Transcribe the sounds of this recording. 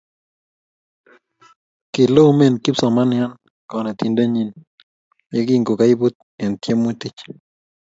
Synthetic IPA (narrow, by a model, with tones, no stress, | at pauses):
kɪ˨lo˦me˦˨nkɪ˦psɔ˨ma˦nja˦n | kɔ˨nɛ˨t̪i˨nda˦ɲi˦n | je˦ki˦ŋɡo˨ka˦i˦bu˦t̪̚ɛ˨nt̪je˦mːʊ˦t̪i˦t͡ʃ